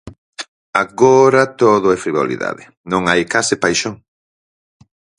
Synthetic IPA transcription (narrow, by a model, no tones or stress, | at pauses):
aɣoɾɐt̪oðʊajfɾiβo̰lḭða̰ðɪ | nõŋajkasɪpajʃoŋ